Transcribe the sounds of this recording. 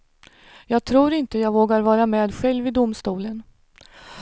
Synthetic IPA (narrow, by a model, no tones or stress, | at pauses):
jɑːɡ̚t̪ʰɾuːɾɪnt̪əjɑːɡvoːɡaɾvɑːɾamɛːd̪ɧɛlvɪd̪ʊmst̪uːlən